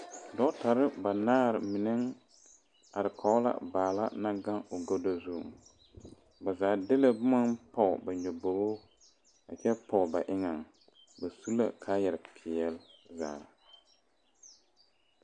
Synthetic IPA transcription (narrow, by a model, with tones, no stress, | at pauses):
dɔ˦ta˨ɾɪ˦ba˨naː˦ɾɪ˨mɪ˨nɛ˦ŋ | a˨ɾɪ˨kʰa˨˦la̰˦˨baː˨la̰˦na˦ɡa˦ŋo˨ɡo˦do˦zu˦˨ʊ̰˨ŋ | ba˨zaː˨dɪ˦la˦bʊ˦ma˦npɔ˨ba˨ɲo˨bo˨bo˦ | a˨t͡ʃɛ˦pɔ˨ba˨ʔɪ˦ŋa˨ŋ | ba˨su˦la̰˦kʰaː˦jɛ˨ɾɪ˨pʰɪ˨ɛ˦lza̰ː˨ɾ